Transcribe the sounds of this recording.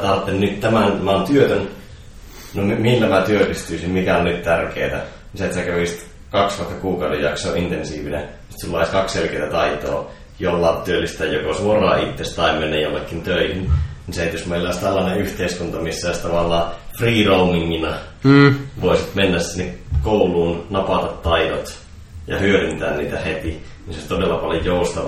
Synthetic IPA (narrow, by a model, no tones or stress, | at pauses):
t̪ɑrt̪ːennyt̪t̪æmænmæont̪yøt̪øn | nommilːæmæt̪yøryst̪yːsimmikæonnyt̪t̪ærkeːt̪æ | niset̪sækæʋisi̥t̪ | kɑksʋuoht̪ːɑkuːkɑˑudejjɑksoːint̪ensiːʋinḛn | si̥t̪silːɑiskɑksselkeit̪æt̪ɑit̪o̰ː | jolːɑt̪t̪yølːist̪æjjokosuorˑɑ̰ːit̪ːest̪ɑimːenːejjolːekːint̪øihinniseet̪josmeˑilːæˑoest̪ælːɑːneyht̪eˑiskunt̪ɑmisːæost̪ɑʋɑlːˑɑːfriːroumiŋːinɑ | ʋoˑisit̪menːæssinːekkoulˑuːnnɑpɑt̪ɑt̪tɑidot̪ | jɑ̰hyørint̪æːnnḭːt̪æhet̪i | ninseoˑsʲt̪odelːɑpɑljojoust̪ɑʋɑ